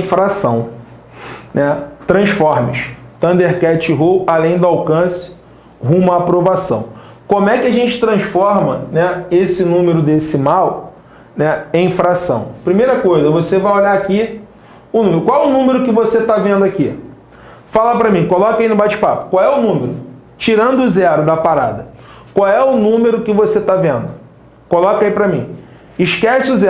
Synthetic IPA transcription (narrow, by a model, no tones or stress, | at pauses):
fɾasɐ̃w̃ | nɛt̪ɾɐ̃sfɔɾmɪ̰ʃt̪ɐ̃nd̪eɾkɛt͡ʃɪɦualẽj̃d̪ʊawkɐ̃sɪ̥ | ɦũmɐːpɾovasɐ̰̃w̃ | kõmʊɛkɪaʒẽnt͡ʃɪ̥t̪ɾɐ̃sfɔɾmɐnɛesɪnũmeɾʊd̪esɪmaw | nɛẽĩfɾasɐ̰̃w̃pɾimejɾɐkojzɐvosevajoʎaaki | ʊnũmeɾʊkwawɛʊnũmeɾʊkɪvoset̪avẽnd̪ʊaki | falapɾɐmĩkolɔkɐinʊbat͡ʃɪ̥pa̰pʊ̥kwawɛʊnũmeɾʊ | t͡ʃiɾɐ̃nd̪ʊʊzɛɾʊd̪ɐpaɾa̰d̪ɐkwawɛʊnũmeɾʊkɪvoset̪avẽnd̪ʊ | kolɔkaipɾɐmĩ | ɪʃkɛsɪʊzɛ